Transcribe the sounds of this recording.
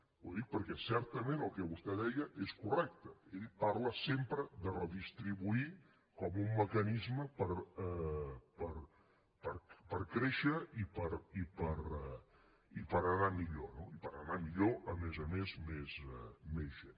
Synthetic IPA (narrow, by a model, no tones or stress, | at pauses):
uðik̚pəɾkɛsɛɾt̪əmẽnəlˠkəβust̪ɛðɛjəʔeskurɛk̚t̪əelpaɾləsempɾəðərəðist̪ɾiβui | kɔmumːəkənizməpəɾɛpəɾ | pəɾpəɾkɾeʃəipəɾipəɾɛ | ipəɾənamiʎonoipəɾənamiʎoʔəmezəmezmezɛmezʒen